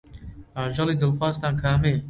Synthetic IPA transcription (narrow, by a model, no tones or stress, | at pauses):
aʒɑliːd̪əlxwaːst̪aːnkʰaːmeː